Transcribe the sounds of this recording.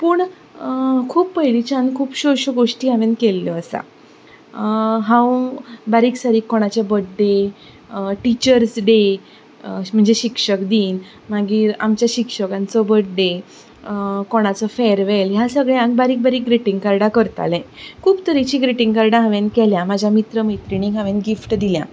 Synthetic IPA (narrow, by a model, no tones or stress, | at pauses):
puːɳ | kʰuːpːəɦjlit͡ɕãnkʰuːpɕoɕəɡoʂʈiːãʋẽnkelːjɔːsa̰ | ɦãwbaɾiːksaɾiːkːoɽ̃at͡ɕabəʈ̚ɖe | ʈit͡ɕəɾsɖe | m̤əɳd͡zeɕikʂəkd̪iːn | maɡiːɾamt͡ɕjaɕikʂəkant͡sɔbəʈ̚ɖe | koɽ̃at͡sɔfɛɾʋelɦjasəɡɭɛ̃ãŋɡbaɾiːk̚baɾiːk̚ɡɾeʈiŋɡkaɾɽakəɾt̪a̰lɛ̃kʰuːbt̪əɾit͡ɕiːɡɾeʈiŋɡkaɾɽãɦãʋẽnkɛljãmad͡ʑʱjamit̪ɾəməjt̪ɾiniɡãʋẽnɡifʈd̪ilja̰